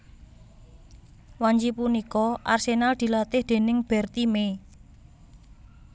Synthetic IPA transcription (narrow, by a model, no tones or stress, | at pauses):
waɲd͡ʒipunikɔʔarsenald̪̥i̤lat̪ɪhd̪̥e̤nɪŋb̥ɛrt̪ime